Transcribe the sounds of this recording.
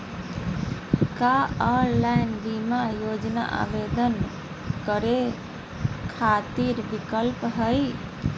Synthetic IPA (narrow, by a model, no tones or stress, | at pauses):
kaɔɾlajnbimajod͡ʒna̰ʔa̰bed̪ən | kəɾe | kʰat̪iɾbikəlpɦəj